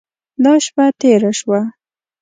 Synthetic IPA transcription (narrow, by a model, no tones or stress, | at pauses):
d̪ɑʃpat̪eɾaʃwa